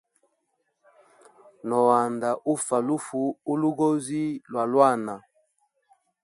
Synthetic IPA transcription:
nɔ˨wa˨nda˨ʔu˦fa˨lu˦fu˨u˦lu˦ɡo˦zi˦lwa˨lwa˦˨na˨

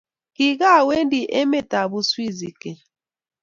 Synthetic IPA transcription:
ki˨ɡa˦˨we˦n˦di˨ʔe˦me˦ta˨bu˨swi˦zi˨ke˨

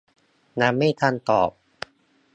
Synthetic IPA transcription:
na˧˥mːa˥˩t̪ʰa˧nt̪ɔ̰ː˨˩p̚

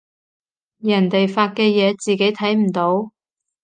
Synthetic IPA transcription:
jɐ˨˩nt̪e˨jfaː˧t̚kɛː˧jɛː˨˧t͡siː˨ke˨˥jt̪ʰɐ˨˥jm̩˨˩t̪o˨˥w

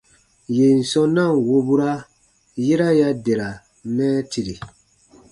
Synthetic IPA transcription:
je˨n̩˨sɔ̃˦nã˦˨wo˧bu˦ɾa˦ | je˦ɾa˦ja˦de˨ɾa˨ | mɛ̃ː˦ti˨ɾi˨

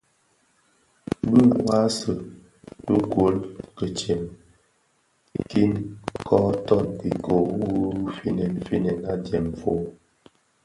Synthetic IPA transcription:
bə˦˨wa˦sə˨ | tə˦ɡwo˨˦lkə˨t͡ʃjɛ˨m | ki˦nkʰɔ˦tɔ˦˨nbi˨kʰo˨u˦fi˦nɛ˨n˨fi˦nɛ˨na˦djɛ˨mfo˦

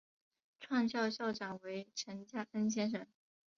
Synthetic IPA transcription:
ʈ͡ʂʰwa˥˧ŋɕjɑ˥˧ʊɕjɑ˥˩ʊʈ͡ʂɑ˨˩ŋwe˧˥ɪʈ͡ʂʰə˧˥nt͡ɕja˥ʔə˥nɕ̬jɛ˥nʂɤ˥˩ŋ

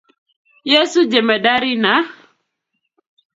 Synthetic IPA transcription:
je˦su˦d͡ʒe˨mɛ˨ɗa˦ɾi˦na˨˦

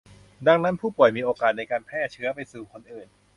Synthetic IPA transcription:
da˧ŋna˦˥npʰuː˥˩pu˨˩əjmiː˧ʔoː˧kaː˨˩t̪̚na˧jkaː˧npʰɛː˥˩t͡ɕʰɯ˦˥ɐpa˧jsuː˨˩kʰo˧nʔɯː˨˩n

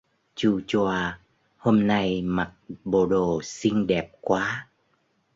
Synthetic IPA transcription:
t͡ɕu˧t͡ɕaː˧˩ | ho˧mna˧jma˨˩t̚ɓo˨˩ɗo˨˩sï˧ŋ̟ɗɛ˨˩p̚kwaː˨˦

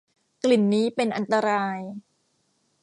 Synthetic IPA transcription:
kli˨˩nːiː˦˥pe˧nʔa˧nt̪a˧ɾaː˧j

